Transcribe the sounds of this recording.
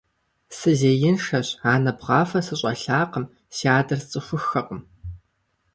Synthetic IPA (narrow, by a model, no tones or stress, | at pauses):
sɨzeːjɪnʂɐɕaːnɐbʁɑːfɐsɨɕʼɐɬaːqəm | siaːdɐrt͡sʼɨxʷʊxɐqəm